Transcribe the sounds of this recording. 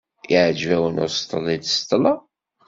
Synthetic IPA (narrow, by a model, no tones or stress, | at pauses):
iʕd͡ʒvæwənʊ̰ɾst̪ːəlːid̪st̪ˤːəlɑ